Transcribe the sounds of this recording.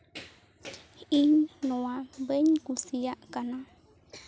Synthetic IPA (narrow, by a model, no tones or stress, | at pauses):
iɲnõwabeɲkusiakanã